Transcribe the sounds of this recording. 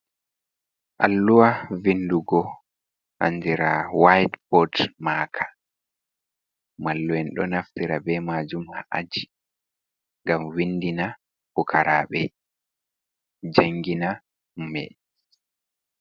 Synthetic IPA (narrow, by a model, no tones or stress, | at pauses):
ʔalːuwavinduɡɔ | ʔa̰ndiɾawajdpɔtmaːkʰḁ | malːuwɛnɗɔnaftiɾabɛmaːd͡ʒumhaʔa̰d͡ʒi | ŋɡamwindina | hukʰaɾa̰ɓɛ | d͡ʒaŋɡina | mɛ̰